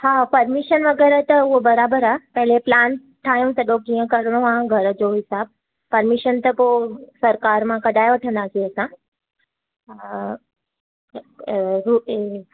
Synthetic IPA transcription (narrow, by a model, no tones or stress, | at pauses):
haːpɐɾmiʃənʋɐɡɛːɾət̪ɐuɦobɐɾaːbəɾaːpɐɦɪleplaːn | ʈʰːaːɦijũt̪ɐɗõkĩːjə̃kɐɾɽ̃õaɡʱɐɾəd͡ʑoɦɪsaːb̚ | pɐɾmiʃənt̪ɐposɐɾkaːɾmãkɐɖʱaːjʋɐʈʰə̃nd̪aːsiɐsã | ɾue